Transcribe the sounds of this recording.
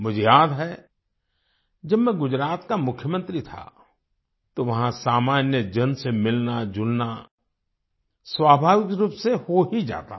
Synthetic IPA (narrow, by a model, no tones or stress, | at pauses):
mʊd͡ʒʱejaːd̪ɦɛ | d͡ʒɐbmɛ̃ɡʊd͡ʒɾaːt̪kamʊkʰːjəmə̃nt̪ɾit̪ʰa̰ | t̪oʋɐɦãsaːmaːnjəd͡ʒɐnsemɪlnad͡ʒʊlna | swaːbʱaːʋɪkɾuːpsehoɦid͡ʒa̰ːt̪a̰